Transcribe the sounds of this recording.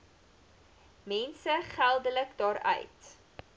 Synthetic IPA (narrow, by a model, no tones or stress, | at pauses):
mɛnsəχælˠdələkdɑːɾœ̰ɥt